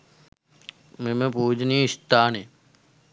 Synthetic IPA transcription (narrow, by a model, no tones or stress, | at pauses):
mẽmẽpuːd͡ʒniːɪst̪aːne